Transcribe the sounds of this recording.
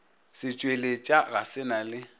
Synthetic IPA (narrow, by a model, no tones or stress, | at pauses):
sɪt͡ʃʼwelet͡ʃʼaɣasɪnalɪ